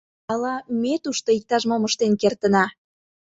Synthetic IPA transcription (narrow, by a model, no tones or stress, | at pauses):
ɑlɑmet̪uʃt̪oik̚t̪ɑʃmoməʃt̪enkert̪ənɑ